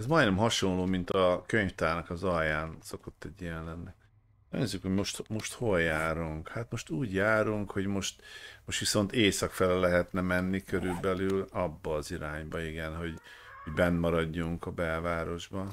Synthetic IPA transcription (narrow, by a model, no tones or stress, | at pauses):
ɛzmɒjnɛmɦɒʃo̞nloːmint̪ɒkøɲft̪aːnɒkɒzɒjːaːnso̞ko̞t̪ːɛɟijɛnlɛnːḭ | ɲːezːykho̞ɟmoʃt̪mo̞ʃt̪ho̞ljaːɾuŋkhat̪mo̞ʃt̪uːɟjaːɾuŋkho̞ɟmo̞ʃt̪moʃt̪ʋiso̞nt̪eːsɒkfɛlɛlːɛɦɛt̪nɛmɛnːikøɾylbɛlylɒbːɒːziɾaːɲbɒiɡɛnɦo̞ɟhoɟbɛnːmɒɾɒɟːuŋkɒbɛlvaːɾo̞ʒbɒ